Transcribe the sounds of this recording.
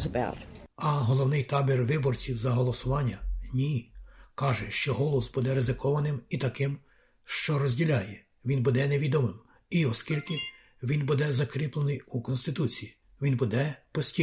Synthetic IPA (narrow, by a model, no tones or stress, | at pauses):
zəba̰ʊtɐɦɔlˠɔwnɪjt̪ɑbʲirʋɪbɔrt͡sʲiwzɐɦɔlˠɔsʊʋɑnʲːɐnʲikɑʒɛʃt͡ʃɔɦɔlˠɔsbud̪ɛɾezɪkɔʋɐnɪmit̪ɐkɪm | ʃt͡ʃɔɾɔzʲdʲilʲajɛ | ʋʲinbud̪ɛneʋʲid̪ɔmɪm | iɔskʲilʲkɪ | ʋʲinbud̪ɛzɐkɾʲiplˠenɪjukɔnst̪ɪt̪ut͡sʲiji | ʋʲinbud̪ɛpɔsʲtʲi